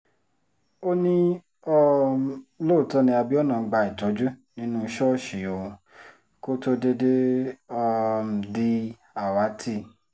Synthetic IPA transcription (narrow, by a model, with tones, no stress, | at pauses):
o˦nĩ˦ | ɔ˦˧ | lo˦˨tɔ̃˧˦nĩ˧a˧bi˦ɔ˦nã˨˧ɡ͡ba˧i˨tɔ˨˦d͡ʒu˦nĩ˦nũ˦ʃɔ˦˨ʃi˨jo˨ | ko˦to˧de˧de˦ɔ˧m̩˨di˦ | a˦˨wa˨˦tʰi˦˨